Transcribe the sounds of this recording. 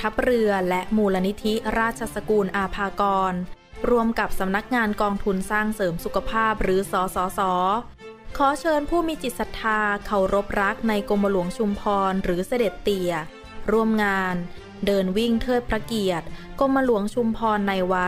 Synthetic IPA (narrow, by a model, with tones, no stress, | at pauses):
t̪ʰa˦˥p̚ɾɯ˧ɐlɛ˦˥ʔmuː˧la˧ni˦˥t̪ʰi˦˥ɾaː˥˩t̪̚t͡ɕʰa˧sa˧kuː˧nʔaː˧pʰaː˧kɔː˧n | ɾu˧əmka˨˩p̚sa˩˦mna˦˥k̚ŋaː˧nkɔː˧ŋt̪ʰu˧nsaː˥˩ŋsɤː˩˦msu˨˩kʰa˧pʰaː˥˩p̚ɾɯː˩˦sɔː˩˦sɔː˩˦sɔː˩˦ | kʰɔː˨˩˦t͡ɕʰɤː˧npʰuː˥˩miː˧t͡ɕi˨˩t̪̚sa˧t̪ʰaː˧kʰa˨˩wɾo˦˥p̚ɾa˦˥k̚na˧jko˧mːa˧lu˩˦əŋt͡ɕʰu˧mpʰɔː˧nɾɯː˩˦sa˧de˨˩t̪ːi˨˩ə | ɾu˧˩əmŋaː˧n | dɤː˧nwi˥˩ŋt̪ʰɤː˥˩t̪̚pʰɾa˧ki˨˩ət̪̚ko˧mːa˧lu˨˩˦əŋt͡ɕʰu˧mpʰɔː˧nːa˧jwa˦˥